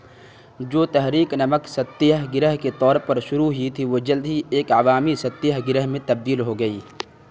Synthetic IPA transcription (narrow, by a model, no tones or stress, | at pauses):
d͡ʒoːt̪ɛɦɾiːknɐməksɐt̪ːɪjəɦɡɪɾəɦket̪ɔːɾpɐɾʃʊɾuɦit̪ʰiʋod͡ʒɐld̪ʱɦieːkaʋaːmisɐt̪ːɪjəɦɡɪɾəɦmẽt̪ɐb̚d̪iːlɦoɡɐiː